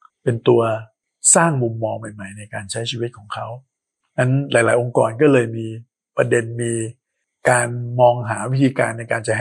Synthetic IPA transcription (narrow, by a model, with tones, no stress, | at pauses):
pe˧nt̪u˧ɐ | saː˥˩ŋmu˧mːɔː˧ŋma˨˩jma˨˩jna˧jkaː˧nt͡ɕʰa˦˥jt͡ɕʰiː˧wi˦˥t̪̚kʰɔː˩˦ŋkʰa˦˥w | na˦˥nlaː˨˩˦jlaː˩˦jʔo˧ŋkɔ̰ː˨˩nkɔː˥˩lɤː˧jmiː˧ | pɾa˧de˧nmiː˧ | kaː˧nmɔː˧ŋɦaː˩˦wi˦˥t̪ʰiː˧ka̰ː˧nː˧jkaː˧nt͡ɕa˨˩ɦ